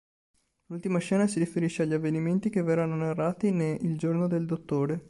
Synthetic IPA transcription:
lult̪imat͡ʃɛːnasiɾifeɾiʃːeaʎːavːeniment̪ikevɛrɾanonarːaːt̪ineild͡ʒornod̪eld̪ot̪ːoːɾe

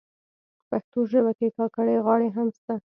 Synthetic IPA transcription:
paxt̪oʒəbakekɑkaɽeɣwɑɽeɦamst̪a

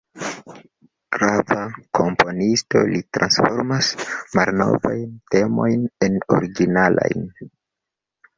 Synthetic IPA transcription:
ɡ̥ɾavakʰompʰo̞nisto̞̰litɾansfo̞ɾmasmalno̞̰vajnte̞mo̞jneno̞̰ɾiɡinala̰jn

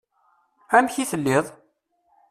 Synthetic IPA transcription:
æmçiθəlːɪðˤ

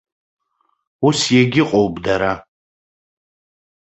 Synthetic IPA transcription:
usjeɡʲɪqʼowpʼdaɾa

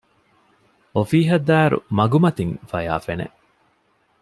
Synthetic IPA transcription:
ofiːɦɐd̪æːɾṵmɐɡumɐt̪iŋfɐja̰ːfenḛ

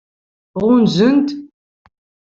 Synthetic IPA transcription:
ʁʊnzənt̪

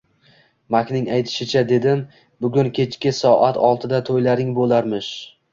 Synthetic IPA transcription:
makʲnɪŋajt̪ʰɪ̥ʃɪt͡ʃʰad̪e̞d̪ɪm | bʊɡʲʊnkʲʰe̞t͡ʃkʲɪsɒʔat̪ʰɒlˠt̪ʰɪd̪at̪ʰojlaɾɪŋbolˠaɾmɪʃ

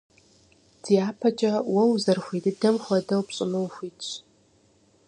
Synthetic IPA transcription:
d̥ijaːpʰɐt͡ʃʼɐwɐwzɐrxʷidɨdɐmxʷɐdɐwpɕʼɪmɨwxʷiːt

